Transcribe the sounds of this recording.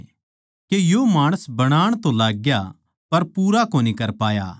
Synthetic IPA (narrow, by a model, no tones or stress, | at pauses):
kejomaːɽ̃əsbɐɽ̃aːɽ̃t̪õlaːɡja | pɐɾpuːɾakoːnikɐɾpaːja̰ː